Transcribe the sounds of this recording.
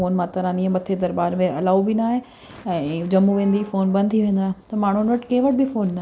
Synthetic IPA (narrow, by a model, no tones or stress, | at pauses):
oːnmãt̪ɐɾãːniːə̃mɐt̪ʰed̪ɐɾbaːɾmẽʔɐlaːubinaːɦe | ɛ̃ːd͡ʑɐmuʋẽːnd̪ifoːnbɐ̃nd̪ʱt̪ʰiʋẽːn̆d̪aːɦt̪ɐmaːɳ̤uɪnʋɐʈkɐ̃ɦɪ̃ʋɐʈ̚bifoːnːa